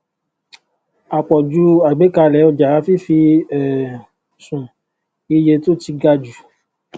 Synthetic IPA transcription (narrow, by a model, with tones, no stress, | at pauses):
a˨k͡pɔ˨d͡ʒu˦a˨ɡ͡be˨˦ka˧lɛ˨˦ɔ˧d͡ʒa˨a˦fi˦fi˧ɛ˨ | sũ˨ | i˧je˧to˦ti˧ɡa˧d͡ʒu˨